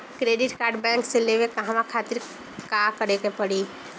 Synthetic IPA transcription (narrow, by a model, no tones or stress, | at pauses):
kɾeɖɪʈkaːɾɖbɛ̃ŋkselewekaɦãʋakʰat̪ɪɾ | kakəɾekepəɽi